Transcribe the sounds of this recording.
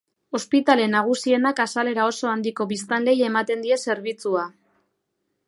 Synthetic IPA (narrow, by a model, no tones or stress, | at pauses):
o̞spit̪ale̞naɣ̞usie̞nakasale̞ɾao̞so̞and̪iko̞βis̬t̪anle̞je̞mat̪e̞nd̪ie̞se̞ɾβ̞it͡sua